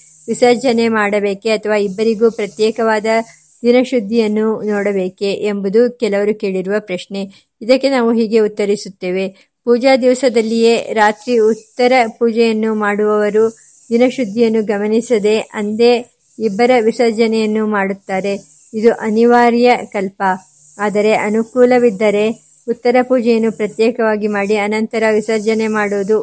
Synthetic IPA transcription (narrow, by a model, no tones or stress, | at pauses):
ʋisɐɾd͡ʒɐne̞maːɽɐbe̞ːkeɐt̪ʰɐʋaːibːɐɾiɡuːpɾɐt̪jɛːkɐʋaːd̪ɐ | d̪inɐʃud̪ʱːijɐnːunɔːɽɐbe̞ːke̞ʔːmbud̪ukɛlɐʋɐɾuke̞ːɭiɾuʋɐpɾɐʃɳe | id̪ɐkːe̞naːʋuɦiːɡe̞ut̪ːɐɾisut̪ːeːʋe̞ | puːd͡ʒaːd̪iʋɐsɐd̪ɐlːije̞ːɾaːt̪ɾiut̪ːɐɾɐpuːd͡ʒɛjɐnːumaːɽuʋɐʋɐɾu | d̪inɐʃud̪ʱːijɐnːuɡɐmɐnisɐd̪e̞ʔɐnd̪e̞ | ibːɐɾɐʋisɐɾd͡ʒɐnɛjɐnːumaːɽut̪ːaːɾe̞ | id̪uʔɐniʋaːɾjɐkɐlpɐ | aːd̪ɐɾe̞ʔɐnukuːlɐʋid̪ːɐɾe̞ | ut̪ːɐɾɐpuːd͡ʒɛjɐnːupɾɐt̪jɛːkɐʋaːɡimaːɽiɐnɐnt̪ɐɾɐʋisɐɾd͡ʒɐnemaːɽoːd̪u